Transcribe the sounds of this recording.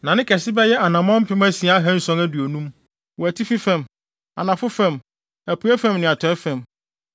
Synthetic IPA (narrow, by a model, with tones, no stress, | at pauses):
nã˨nɪ̃˦kʰɛ˨sɪ˦bɛ˦jɛ˦ʔa˨nã˨mɔ̃˦m̩˦pʰɪ̃˦mæ˦sĩ˨a˦a˦ɦæ̃˦n̩˦sɔ̃˦ŋæ˦du˨o˨nũ˦m | wɔ˨æ˨tʰi˦fi˦fɛ̃˨m | a̰˨nã˨fʊ˦fɛ̃˦˨m | æ˨pʰu˨˦æ˦fæ̃˦˨mnɪ̃˨a˨tʰɔ˨ɛ˦fɛ̃˨m